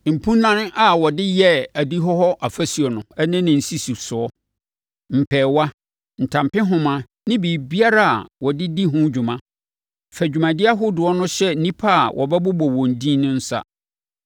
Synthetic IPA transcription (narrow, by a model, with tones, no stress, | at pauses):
m̩˨pʰũ˦nã˨n˦ʔa˨wɔ˨dɪ˦jɛ˦æ˨di˦ɦɔ˦ɦɔ˦ʔa˨fæ˦si˨ɔ˨nʊ̃˨ɛ˦nɪ̃˦nɪ̃˨n̩˨si˦su˨sʊ˨ɔ˦ | m̩˨pʰɛː˨wa˦ | n̩˨tʰã˨m˨pɪ̃˦ɦʊ̃˨mã˨ | nɪ̃˦biː˨bi˦a˦ɾa˦a̰˨wɔ˨dɪ˦di˦ɦʊ̃˦d͡ʑᶣʊ˨mã˦ | fæ˨d͡ʑᶣu˨mã˨dɪ˦a˦ɦʊ˦dʊ˨ɔ˦nʊ̃˦ɕɛ˦n̩˦nĩ˦pʰa˦˨wʔɔ̰˨bɛ˦bʊ˦bɔ˨wɔ̃˨n˨dĩː˦nʊ̃˦n̩˦sa̰˦